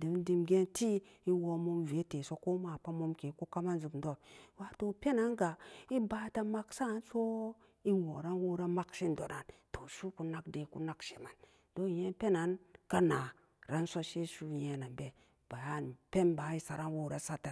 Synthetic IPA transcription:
di˨˦n˦di˨mɡe˦nti˦i˦wo˨˧mo˦mve˨˦te˨so˦ko˦ma˨pa˦mo˦mke˨ko˦ka˦ma˦nzu˨bn˨do˦˨wa˨˦to˦pe˦na˨˦nɡa˨i˦ba˨˦ta˦ma˦ksa˦˨˦nso˦ | i˦wo˨ɾa˦nwo˦ɾa˦ma˦kʃi˦n˨do˨na˨nto˨ʃu˦ku˦na˦kde˨ku˦na˦kʃe˨ma˨n | d̥o˦˨je˦pe˦na˨˦nka˦na˨ | ɾa˦nso˦ʃe˦ʃu˦˨je˨˦na˨mbe˨ | b̥a˨ja˦˨n˨pe˦nba˨˦i˦sa˨ɾa˦nwo˦ɾa˦sa˦ta˨

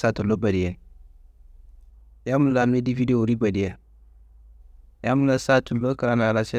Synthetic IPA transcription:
sa˦tu˨lo˦ba˨di˨e˨ | ja˦mu˦la˨me˦di˦vi˦de˦o˨ɾi˦ba˨di˨e˨ | ja˦mu˦la˨sa˦tu˨lo˦ka˦ɾa˨na˨la˨se˦

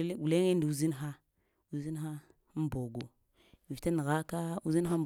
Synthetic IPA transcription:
ɡu˨le˦ŋe˦ndi˨u˦zi˦nxa˦ | u˨zi˦n˦xa˦ | bo˨ɡo˨ | i˨vta˦na˨ɣa˦ka˦ṵ˦zi˦n˦a˦

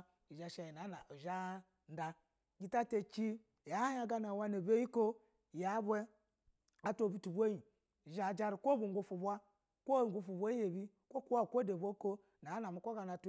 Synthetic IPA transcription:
i˨ʒa˨ʃa˨ji˨na˨˦na̰˨u˨ʒa˦ | n̩˦da˨ | ɡi˦ta˦te˨t͡ʃi˦˨ | ja˨˦a˨ɡa˦na˨wa˦ne˨be˦ji˦ko˦˨ | ja˨˦bʷe˦ | a˨to˦˨bi˨tu˨bʷo˦ji˨ | ʒa˨d͡ʒa˦ɾi˨kʷo˦bu˨ŋ˦ɡu˦fu˨bʷa˦ | kʷo˦˨ŋ˦ɡʷu˦fu˨bʷa˦je˨bi˦ | kʷo˦ku˦wa˦˨kʷo˦de˨bo˦ko˦ | na˨˦na˨mu˨kʷo˦ɡa˨na˨t

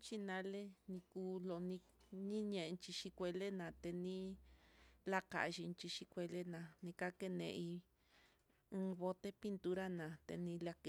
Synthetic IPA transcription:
t͡ʃi˦nã˧˦le˦nĩ˧kuː˧lo˧nĩ˧ | nĩ˦ɲẽ˧ʔnt͡ʃi˧ʃi˧kʷe˧le˦nã˨t̪e˧nĩ˦ | la˦ka̰˨˧ʃi˧nt͡ʃi˧ʃi˧kʷe˧le˦nã˧˨nĩ˧ka˦ke˦nḛ̃˧ʔi˧ | ɨ̃˧βo˧t̪e˦pi˦nt̪u˦ɾa˦nã˨t̪ḛ˧nĩ˧la˧ke˧

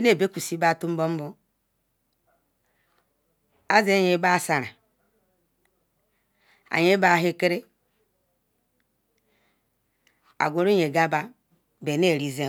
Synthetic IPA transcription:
i˦ne˦˨be˦kʷu˨si˦ba˦˨tu˦m̩˦bo˦m̩˦bo˦ | a˦ze˦ɲe˨˦ba˦˨sa˨ɾa˨ | a̰˨ɲe˦ba˦˨ɦe˦ke˦ɾe˦ | a̰˨ɡʷo˨ɾo˦ɲe˨ɡa˦ba˦ | be˨ne˦˨ɾi˦ze˦

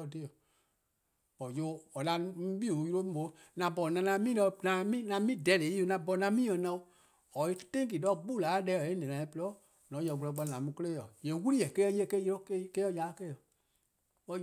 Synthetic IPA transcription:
ɔ˧de˦ɔ˨ | ɔ˨jo˧˦ɔ˨la˧˦m̃˦ɓi˦˨u˨ju˧ɾo˦mĩ˦bo˨˦ | nã˧bɔ˨nã˧nã˧˦mĩː˦lɔ˧nã˧mĩ˦nã˧mĩ˦˨dɛ˨˦le˨˦o˧˨nã˧bɔ˧˨nã˧˦mĩː˦ɛ̃˧˨nã˧˦o˦˧ | ɔ˨i˦tẽ˦ki˨dɔ˦˨ɡ͡bu˦˨laː˨˦lɛ˧˦˨ɔ˨ẽ˦nɛ̃˨nã˨ĩ˧˦pɔ˦ | nɔ̃˨˦jɔ˧˨ɡu˧lɔ˧ɡ͡ba˧˦nã˨mũ˧kə˦eː˦jɔ˨je˨˦wu˦li˦jɛ˨ke˦ɛ˧˦je˦˨ke˦jo˦kke˦ɔ˧˦ja˨˦ke˦˨ɔ˨ | ɔ˨

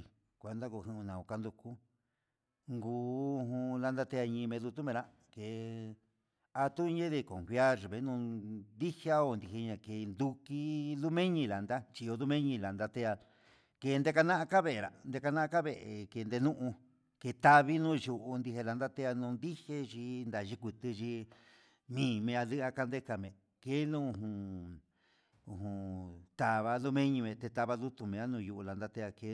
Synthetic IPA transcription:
kʷe˨nd̪a˦ku˧˨hĩ˧ũ˧nã˨o˧ka˧nd̪u˧ku˦ | ŋɡuː˨˧˦ɦũ˧la˧nd̪a˦t̪e˧a˧ɲĩ˧mẽ˧ðu˧t̪u˦mẽ˧ɾa˧ | ke˨ | a˧t̪u˦˧ɲẽ˦ði˧ko̰˨mfja˦ɾβe˨˦nũ˧d̪i˦ha˦o˧˨nd̪i˨e˧ɲã˧ke˨nd̪u˧ki˦ðu˦mẽ˦ɲĩ˧la˨nd̪a˦t͡ʃi˧o˧ðu˦mẽ˦ɲĩ˧la˨nd̪a˧t̪e˧a˧ | ke˧nd̪e˦ka˧nã˦ʔa˧ka˦βe˦˨ɾa̰˨nd̪e˧ka˧nã˦a˦ka˦βe˧˨ʔe˨ke˧nd̪e˧nũ˦ʔũ˧ | ke˧t̪a˧βi˦nũː˦ju˧ʔu˧nd̪i˧ɦe˧la˧nd̪a˦t̪e˦a˧nũː˧nd̪i˦he˦ʒi˧nd̪a˨ʒi˦kʷi˧t̪ɨ˧ʒi˧ | nĩː˨˧˨mẽ˧a˧ðɨ˦a˧ka˧nd̪e˦ka˧˨mẽ˨ | ke˦nũ˦u˧˨ɦũ˧ | u˨ɦũ˧t̪a˧βa˧˦ðu˦mẽ˦ɲĩ˧mẽ˧t̪e˧t̪a˧βa˧ðu˦t̪u˧mẽ˨˧a˦nũ˧ju˧ʔu˧la˨nd̪a˧t̪e˧a˧ke˧˦

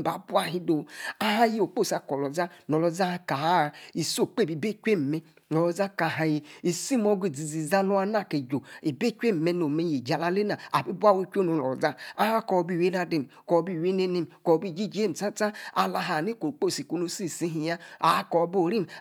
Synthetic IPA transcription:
ba˨˦bu˦a˦ɦi˦do˨a˦ɦa˦ji˦o˨k͡po˦˨sa˨kɔ˨lɔ˨za˦nɔ˨lɔ˨za˦ka˨a˦˨i˨so˦˨k͡pe˦˨bi˨be˦kʷe˦m̩˨me˦ | nɔ˨lɔ˨za˦ka˨ɦa˨je˨i˨si˦mo˦ɡe˨d͡zi˨zi˨za˦lo˦a˦na˦˨ke˨d͡ʒo˨i˨be˦kʷe˦m˨me˦no˨me˨˦je˨d͡ʒa˨la˦le˦na˨a̰˨bi˦bu˦a˦˨wu˦kʲʷo˦no˨nɔ˨ɔ˨za˦a˦ha˦kɔ˨bi˦˨we˦na˦de˨m˨kɔ˨bi˦˨we˦ne˦ne˦˨kɔ˨bi˦˨d͡ʒi˦˨d͡ʒe˦˨m̩˨ta˦ta˦a˨la˧ɦa˨ni˦ko˨k͡po˦˨si˨ko˨no˦si˦˨si˦ɦi˨˦ja˦a˨˦kɔ˨˦bo˦˨ɾi˦m˨

